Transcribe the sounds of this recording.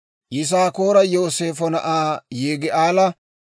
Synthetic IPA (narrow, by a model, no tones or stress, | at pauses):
jɪs̬aːko̞ːɾɐjoːseːfɔnɐ̰ʔaːjeːɡɪʔaːlɐ